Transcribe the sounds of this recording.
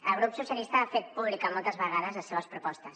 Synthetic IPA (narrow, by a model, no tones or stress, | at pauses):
əɣɾupsusjalist̪aafet̪̚puβlikamɔlˠt̪əzβəɣaðɐzəseβɐspɾupɔst̪ɐs